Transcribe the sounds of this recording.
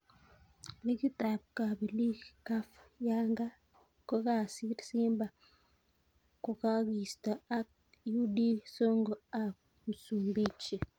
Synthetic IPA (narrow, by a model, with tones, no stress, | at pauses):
li˦ki˦ta˨b̚ka˨bi˨li˦ka˦fja˦ŋɡa˦ | ko˦ka˦si˦si˦mba˨ | ko˨ka˦ki˨sta˨a˦k̚ | ju˦di˦so˦ŋɡo˨a˨ | mu˨su˨mbi˦t͡ʃi˨